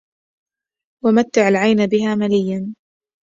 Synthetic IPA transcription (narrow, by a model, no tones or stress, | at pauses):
wamat̪ːɪʕalʕajnabɪɦaːmalɪjːan